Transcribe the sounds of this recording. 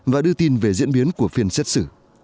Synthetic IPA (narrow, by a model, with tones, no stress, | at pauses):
vaː˨˩ɗɨ˧ət̪i˧nve˨˩zḭ˧˥ənɓi˨˦ənku˧˩əfi˨˧˩ənse˦˥t̚sɨ˧˩